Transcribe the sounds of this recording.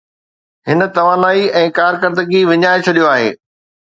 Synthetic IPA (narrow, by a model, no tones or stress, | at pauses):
ɦɪnə̆t̪ɐʋaːnaːiɛ̃ːkaːɾkɐɾd̪əɡiʋɪɲaːɪt͡ɕʰɐɗijoaːɦḛː